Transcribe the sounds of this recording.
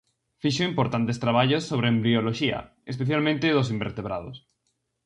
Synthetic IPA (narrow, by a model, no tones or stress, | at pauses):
fiʃoimpoɾt̪ant̪est̪ɾaβ̞aʎosːoβ̞ɾeːmbɾioloʃia̰ | espeθjalmẽnt̪eðos̬imbḛɾt̪eβɾað̞o̰s